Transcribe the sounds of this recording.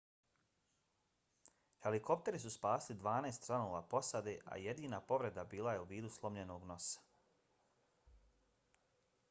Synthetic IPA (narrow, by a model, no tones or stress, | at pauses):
he̞liko̞p̚t̪e̞ɾisuspaːslid̪ʋaːnaest̪t͡ʃɾanoːʋaːpo̞sad̪e̞ʔa̰jed̪iːnapo̞ʋɾe̞d̪abiːlˠajeuʋiːd̪uslˠo̞mʎe̞no̞ːɡno̞sḁ